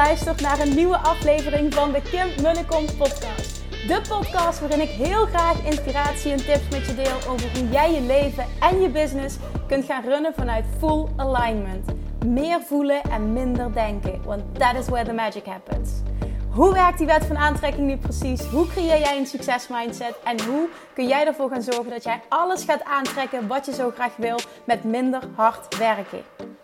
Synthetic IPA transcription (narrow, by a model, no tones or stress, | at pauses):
œɥstərtnaːrənːyʋəʔɑflejvərɪŋvɑndəkɪmmɵləkɔnpɔtkɑːst | dəpɔtkɑstʋaːrɪnɪkɦɪːlˠχraːxɪnspiraːtsiɛntɪpsmɛtjədɪːlˠʔowvəɹɦujɛjjəlejvəɛnjəbɪznɪs | kɵntχaːnrønəvɑnœɥtfulˠəlɑjnməntmɪːrvuləʔɛnmɪndəɹdɛŋkəʋɑnt̚dætɪswɛɹðəmæd͡ʒɪkɦæpə̰nsɦuʋɛɹk̚d̥iʋɛtfɑnaːntrɛkɪŋnyprəsisɦukrejɪːɹjɛjənsyksɛsmɑjntsɛtɛnɦu | kɵnjɛjdəɹvʊːɹɣaːnzɔɹɣəndɑtjɛjɑləsxaːtaːntrɛkənʋɑtjəzowχraːxʋɪlˠt | mɛtmɪndərɦɑɹtʋɛrkə̰